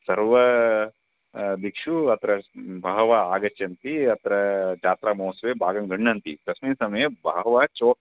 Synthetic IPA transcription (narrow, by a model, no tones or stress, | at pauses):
sɐɾʋɐ | d̪ikʂuɐt̪ʰɐɾɐbʱaːɦʋaaːɡɐt͡ʃɐnt̪iɐt̪ɐɾɐt͡ʃaːt̪ɾaːmoːsʋeːbʱaːɡɐŋɡɐɳːɐnt̪ḭpɾɐsminsɐmɐjɐbʱaːɦɐʋaːt͡ʃoːk